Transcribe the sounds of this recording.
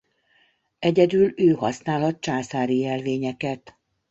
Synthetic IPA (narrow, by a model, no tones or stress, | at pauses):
ɛɟɛd̪yløːhɒ̰snaːlhɒt̪̚t͡ʃaːsaːɾijɛlveːɲɛkɛt̪